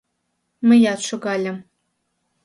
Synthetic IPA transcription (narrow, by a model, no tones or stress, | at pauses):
mɘ̆jɑt̪ʂɤ̆ɡɑlʲɘ̆m